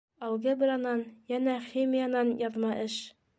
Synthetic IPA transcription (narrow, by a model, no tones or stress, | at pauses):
ɑwˠɡɤb̆ɾɑnɑnjænæχimʲijɑnɑnjɑðmɑʔɘʃ